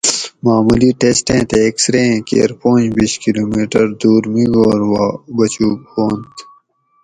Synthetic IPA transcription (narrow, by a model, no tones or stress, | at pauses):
maːmuliʈeːsʈẽːt̪eːksɾẽkḛːɾpõːnd͡ʑbiʃkiloːmiːʈəɾd̪uːɾmiɡoːɾwabɐt͡ɕuːbhoːnt̪